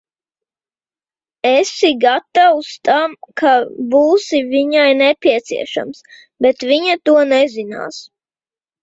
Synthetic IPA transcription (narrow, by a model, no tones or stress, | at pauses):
ɛsiɡat̪awust̪amkʰabuːsiviɲajnɛpʲiɛt̪sḭɛʃa̰ms | bɛt̪viɲat̪uɔnɛzina̰ːs